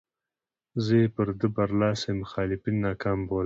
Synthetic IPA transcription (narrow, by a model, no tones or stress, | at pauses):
zəepəɾd̪əbɐɾlɑːsemʊxɑːlɪpinːɑːkɑːmboːl